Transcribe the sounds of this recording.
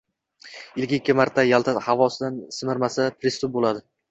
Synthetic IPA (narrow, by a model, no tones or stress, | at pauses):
ɪlɡʲɪkʲːɪmaɾt̪ʰːajalˠt̪ʰahavɒsɪd̪ansɪmɪɾmasapʰɾɪst̪ʊp̚bolad̪ɪ